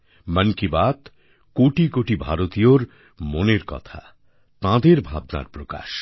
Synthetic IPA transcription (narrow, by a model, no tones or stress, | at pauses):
mənkibat̪ | koʈikoʈibʱaɾot̪ijoɾ | moneɾkɔ̰t̪ʰa̰ | t̪ãd̪eɾbʱab̚na̰ɾpɾoka̰ʃ